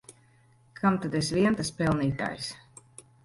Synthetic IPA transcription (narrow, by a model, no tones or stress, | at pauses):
kʰamt̪ad̪ɛsviɛnt̪aspɛlˠniːt̪a̰ːjs